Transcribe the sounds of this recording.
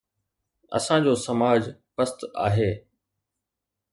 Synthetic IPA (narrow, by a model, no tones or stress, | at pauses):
ɐ̰sãd͡ʑoːsɐmaːd͡ʑpəst̪a̰ːɦeː